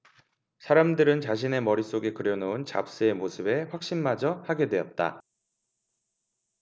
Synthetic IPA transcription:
sʰaɾamdɯɾɯnt͡ɕaɕ̬ʰine̞mʌɾis͈oɡe̞kɯɾjʌnount͡ɕa̰p̚s͈ɯe̞mosʰɯbe̞ɸwak̚ɕ͈inmad͡ʑʌhaɡe̞dwe̞ʌt̚t͈a̰

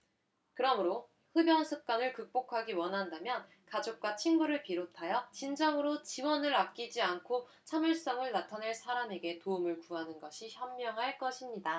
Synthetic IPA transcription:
kɯɾʌmɯɾo | hɯbjʌnsʰɯp̚k͈anɯɭkɯk̚p͈okʰaɡiwʌnɦandamjʌn | kad͡ʑok̚k͈wat͡ɕʰinɡuɾɯɭpiɾotʰajʌt͡ɕind͡ʑʌŋɯɾot͡ɕiwʌnɯɾap̚k͈id͡ʑiankʰo | t͡ɕʰamɯɭs͈ʌŋɯɭnatʰaneɭsʰaɾame̞ɡe̞toumɯɭkuɦanɯnɡʌɕʰiçjʌmːjʌŋɦaɭk͈ʌɕʰimɲida

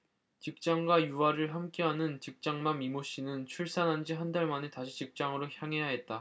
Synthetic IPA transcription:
t͡ɕik̚t͡ɕ͈aŋɡwajuaɾɯɭɦamk͈eɦanɯnt͡ɕik̚t͡ɕ͈aŋmamimoɕ͈inɯnt͡ɕʰuɭs͈anɦand͡ʑiɦandaɭmanetaɕʰit͡ɕik̚t͡ɕ͈aŋɯɾoçjaŋe̞jaɦe̞t̚t͈a

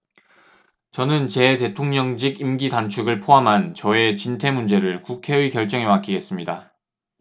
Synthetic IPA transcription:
t͡ɕʌnɯnt͡ɕe̞te̞tʰoŋɲʌŋd͡ʑiɡimɡitant͡ɕʰuɡɯɭpʰoɦamɦant͡ɕʌe̞t͡ɕintʰe̞mund͡ʑe̞ɾɯɭkukʰe̞ɥikjʌɭt͡ɕ͈ʌŋɦe̞mak͈iɡe̞s͈ɯmɲida

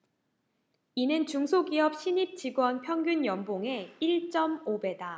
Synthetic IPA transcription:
inɯnt͡ɕuŋsʰoɡiʌp̚ɕʰiɲip̚t͡ɕiɡwʌnpʰjʌŋɡjunjʌmboŋe̞iɭt͡ɕ͈ʌmobe̞da

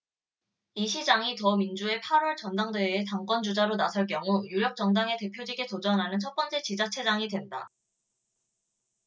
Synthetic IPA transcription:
iɕʰid͡ʑaŋitʌmind͡ʑue̞pʰaɾwʌɭt͡ɕʌndaŋdeeːtaŋk͈wʌnd͡ʑud͡ʑaɾonasʰʌɭk̬jʌŋujuɾjʌk̚t͡ɕ͈ʌŋdaŋe̞te̞pʰjod͡ʑiɡetod͡ʑʌnɦanɯnt͡ɕʰʌt̚p͈ʌnt͡ɕ͈e̞t͡ɕid͡ʑat͡ɕʰe̞d͡ʑaŋidwe̞nda

